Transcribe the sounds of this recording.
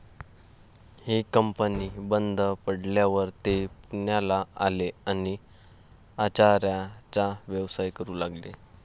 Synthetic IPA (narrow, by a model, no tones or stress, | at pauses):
hikəmpənibənd̪ʱəpəɽljaʋəɾt̪epuɳjalaaleani | at͡ɕaɾjat͡saʋjəʋsajkəɾuːlaɡlḛ